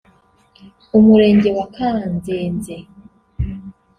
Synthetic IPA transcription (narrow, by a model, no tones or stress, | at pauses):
umuɾeːɲɟe̞wakaːnzeːnze